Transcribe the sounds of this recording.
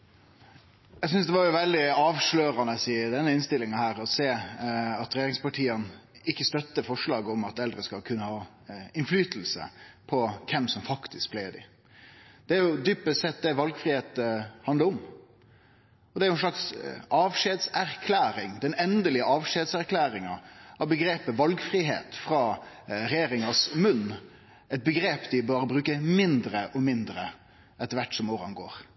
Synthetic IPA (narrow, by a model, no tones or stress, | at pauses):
jæɪsʏnsd̪ɛʋɑɾjʊʋɛld̪ɪɑːʋʂløːɾɑnəsɪd̪ɛnːəɪnst̪ɪlːɪŋɑhæːɾɔseːɑt̪ɾɛjeːɾɪŋspɑʈʰiːən | ɪkːəst̪œt̪ːəfɔʂɭɑːɡəɔmɑt̪ɛld̪ɾəskɑlkʰʉnːəhɑː | ɪnflyːt̪l̩sə̰pʰɔkʰɛmsɔmfɑkt̪ʰɪsk̚bleːd̪ɪ̰ | d̪̥ɛæɾjʊd̪ypːəsɛt̪̚d̪ɛʋɑlɡfɾiheːt̪əhɑnd̪əɾɔm | ɔd̪ɛæɾjʊɛnʃlɑksʔɑːʋʂeːd̪sæɾkʰlæːɾɪŋd̪ɛnɛnd̪əlɪəɑːʋʃeːd̪sæɾkʰlæːɾɪŋɑʔɑʋbəɡɾeːpəʋɑlɡfɾiːɦḛːt̪fɾɑː | ɾɛjeːɾɪŋɑsmʉnː | ɛɪt̪̚bəɡɾeːpd̪ɪbɑːɾəbɾʉːkəmɪnd̪ɾəʔɔmɪnd̪ɾə | ɛt̪ːəɾʋæʈːsɔmoːɾɑ̰nɡo̰ːɾ